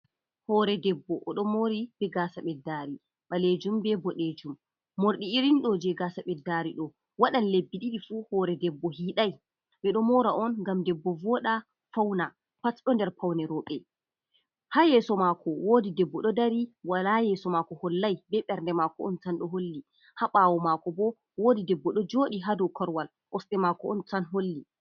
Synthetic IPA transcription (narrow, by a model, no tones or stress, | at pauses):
hɔɾɛdɛbːɔʔɔɗɔmoɾibɛɡasaɓɛdaɾi | ɓaled͡ʒumbɛbɔɗed͡ʒumː | oɾɗiiɾinɗɔd͡ʒɛɡaːsaɓɛdːaɾiɗɔ | waɗanlebːiɗiɗifuhɔɾɛdɛbːɔhiːɗaj | ɓɛɗɔmɔɾaʔɔnɡamdɛbːɔvɔɗa | fawna | patɗɔndɛɾpawnɛɾɔɓɛ | hajɛsɔmakʰɔwoːdidɛbːɔɗɔdaɾiwalajɛsɔmakɔhɔlːajbɛɓɛɾndɛmakɔɔntanɗɔɦolːi | haɓawɔmakɔbɔ | woːdidɛbːɔɗɔd͡ʒoːɗiɦadɔkʰɔɾwal | ʔɔsɗɛmakɔɔntanɦolːi